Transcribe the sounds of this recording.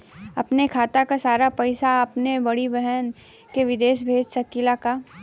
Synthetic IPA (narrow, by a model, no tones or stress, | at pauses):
ɐpnekʰaːt̪akasaːɾapɪsaɐpnebɐɽibɛɦɛn | keʋɪd̪eːʃbʱeːd͡ʒsɐkɪlaka